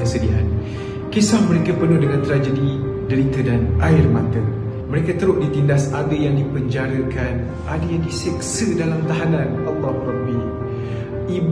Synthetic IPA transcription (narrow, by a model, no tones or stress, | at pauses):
əsədiʔa̰n̚ | kesahməɾekapənʊhdəŋant̪ɾad͡ʒədi | dəɾit̪ədanʔaɪrmat̪ə | məɾekat̪əɾʊʔdit̪indasadəjaŋdipəɲd͡ʒaɾəkan | ʔadajaŋdisɛk̚sədalamt̪aɦanãnʔalːɑhɾaɡ̚bi | ʔib